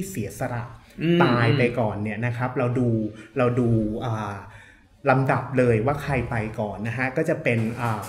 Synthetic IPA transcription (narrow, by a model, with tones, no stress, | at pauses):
iː˥˩si˨˩˦sa˧ɾa˨˩ʔ | p̪aː˧jpa˧jkɔː˨˩nːi˥˩ɐna˦˥kʰɾa˦˥p̚ɾa˧wduː˧ɾa˧wduː˧ʔaː˨˩ | la˧mda˨˩p̚lɤː˧jwaː˥˩kʰɾa˧jpa˧jkɔː˨˩nːa˦˥kʰa˦˥kɔː˥˩t͡ɕa˨˩pe˧nʔaː˨˩